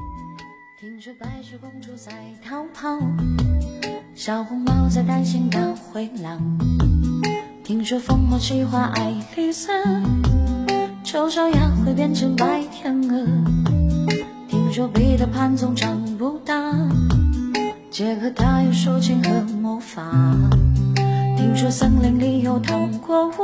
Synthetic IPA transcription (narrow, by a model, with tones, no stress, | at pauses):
t̪ʰi˧˥ŋʂwɔ˧˥pa˧˥ɪʈ͡ʂu˧˩kʊ˥ŋʈ͡ʂʰu˧˥t͡sa˧˩ɪt̪ʰɑ˧˥ʊpʰɑ˥ʊ | ɕɑ˨˩ʊxʊ˧˥ŋmɑ˥ʊt͡sa˧˩ɪt̪a˥nɕi˧˥ŋt̪a˧xwe˧˥ɪla˨˩ŋ | t̪ʰi˧˥ŋʂwɔ˥fo˥ŋmɔ˧t͡ɕʰi˥˩xwa˧˩ʔa˧ɪli˥˧sa˥ | ʈ͡ʂo˧˥ʊʂo˧˥ʊja˧˥xwe˧˥ɪpjɛ˥nʈ͡ʂʰə˧˥ŋpa˧˥ɪt̪ʰjə˧˥ŋɤ˧˩ | t̪ʰi˧˥ŋʂwɔ˥pe˧˥˩ɪd̪ə˨pʰa˥nt͡sʊ˧ŋʈ͡ʂɑ˨˩ŋpu˧˥t̪a˥˧ | t͡ɕjɛ˧˥kʰɤ˧˩t̪ʰa˥jo˧˩ʊʂu˥t͡ɕʰi˧˥ŋxə˧˦mɔ˧˥fa˨˩ | t̪ʰi˥ŋʂwɔ˥sə˥ŋli˧˥ŋli˧˩jo˧˩ʊt̪ʰa˨˧˩ŋkwɔ˥˧w